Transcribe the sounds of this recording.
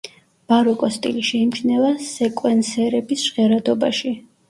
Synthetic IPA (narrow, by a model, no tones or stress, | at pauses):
b̥aɾɔkʼɔst̪ʼḭliʃɛimt͡ʃʰnɛvasɛkʼwɛnsɛɾɛbisʒʁɛɾad̪ɔba̰ʃi